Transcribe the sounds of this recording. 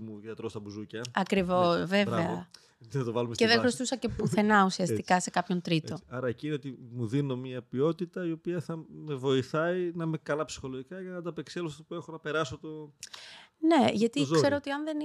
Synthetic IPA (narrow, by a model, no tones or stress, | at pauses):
muðiɐt̪ɾost̪ɐbuzucɐɐkɾivo̞sve̞veɐ | nɐt̪ovɐlumesceðexɾost̪usɐce̞puθe̞nɐusiɐst̪ikɐse̞kɐpço̞nt̪ɾit̪o̞ɐɾɐecineot̪imuðino̞mɲiɐpio̞t̪it̪ɐio̞piɐθɐme̞vo̞iθɐinɐmekɐlɐpsi̥xo̞loʝikɐʝɐnɐd̪ɐpekselospuexonɐpe̞ɾɐsot̪o̞ | ne̞ʝɐt̪ise̞ɾoot̪iɐnðe̞n